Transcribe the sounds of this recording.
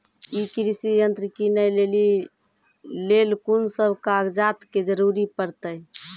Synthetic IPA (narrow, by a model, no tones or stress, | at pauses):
ikɾisijənt̪ɾikinəjleli | lelkunsəbʱkaɡd͡ʒat̪ked͡ʒəɾuɾipəɾt̪əj